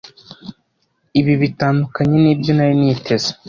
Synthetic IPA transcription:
iβiβitaːndukaɲe̞niːbjonajiniːtʰezḁ

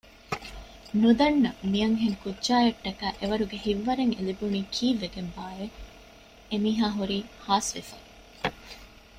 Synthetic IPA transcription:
nud̪ɐnːɐmijɐŋɦeŋkudːʒaːjɐʈːɐkæːʔeʋɐɾuɡehiʋːɐɾeŋḛlibuniːkʰiːʋːeɡembaːe | emiːɦaːɦuɾiːhaːsʋefɐ

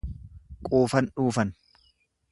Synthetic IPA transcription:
kʼuːfɐnᶑuːfɐn

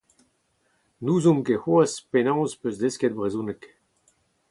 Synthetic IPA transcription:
nuːzumkehuaspenɑ̃wzpøzd̪eskɛd̪̚bʁezũnɛk

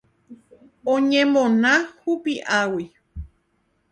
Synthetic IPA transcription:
õɲẽmõnãhupiʔawi

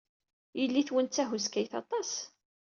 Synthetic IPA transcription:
jəlːiθwənt͡sːæɦuskæjθɑ̰t̪ˤɑs

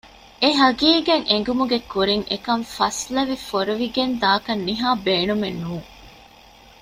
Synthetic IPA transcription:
eɦɐɡiːɡeŋʔeŋ̆ɡumuɡekuɾiŋʔekɐɱfɐslɐʋifoɾuʋiɡend̪aːkɐnːiɦaːbeːnumenːuːŋ

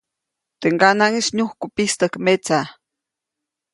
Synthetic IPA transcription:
t̪eŋɡanaŋiʃɲuhkupist̪əkmet͡sa

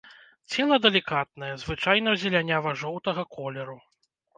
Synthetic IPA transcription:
t͡sʲɛlˠɐd̪ɐlʲikat̪̚nɐjɛzvɨt͡ʂajnɐzʲɛlʲanʲavɐʐɔwt̪ɐɣɐkɔlʲɛɾu

